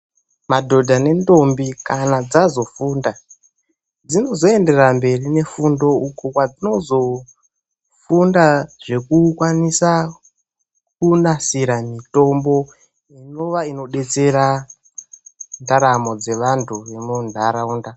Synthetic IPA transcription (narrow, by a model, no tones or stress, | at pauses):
madʱo̞dʱane̞ndo̞mbikanad͡zazo̞fuːnda | d͡zino̞zo̞e̞nde̞rambe̞rine̞fundo̞ukokwad͡zino̞zo̞ | fundaʐe̞kukwanisa | kunasiɾamito̞mbo̞ | ino̞ʋaino̞ɗe̞t͡se̞ɾa | ndaɾamo̞d͡ze̞ʋantʰuʋe̞mundʱaɾauːnda